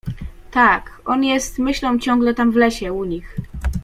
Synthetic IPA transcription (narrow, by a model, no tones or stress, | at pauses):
t̪akʔɔnjɛst̪mɘɕlɔ̃w̃t͡ɕɔ̃ŋɡlɛt̪amvlɛɕɛuɲix